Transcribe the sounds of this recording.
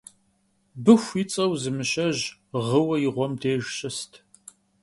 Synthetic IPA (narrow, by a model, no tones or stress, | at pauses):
bɨxʷit͡sʼɐwzɨmɨɕɐʑʁəwɐjɪʁʷɔmdʰeːʒɕɐstʰ